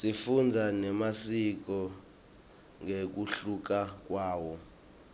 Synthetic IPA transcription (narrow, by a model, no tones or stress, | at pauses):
sifund͡zʱanɛmasik̬ɔ | ŋek̬uɬuk̬ak̬waːwɔ